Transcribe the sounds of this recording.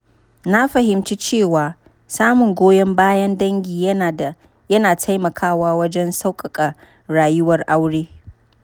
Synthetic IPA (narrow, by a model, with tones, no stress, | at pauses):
na˦ɸɐ˨hɪ˨mt͡ʃiː˦t͡ʃeː˦˨waː˨ | saː˦mʊ˨ŋɡʷoː˦jɛ˦mbaː˦jɐ˦ndɐ˦ŋɡʲiː˨j | jɐ˦naː˨tʰa˦jmɐ˨kʰaː˦waː˦wɐ˦d͡ʒɛ˦nsa˦wkʼɐ˨kʼɐ˨ | ɽaː˨jʊ˦wɐ˨rʔa˦wɽeː˦